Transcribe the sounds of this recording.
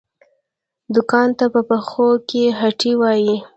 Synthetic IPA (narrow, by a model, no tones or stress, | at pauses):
d̪ʊkɑnt̪apəpəxokeɦaʈiwɑji